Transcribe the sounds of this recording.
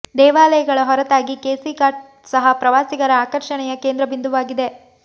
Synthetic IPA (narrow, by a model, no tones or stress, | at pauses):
d̪ɛːʋaːlɐjɐɡɐɭɐɦɔɾɐt̪aːɡikeːsikaːʈ̚ | sɐɦɐpɾɐʋaːsiɡɐɾɐːkɐɾʃɐɳɛjɐkeːnd̪ɾɐbind̪uʋaːɡid̪e̞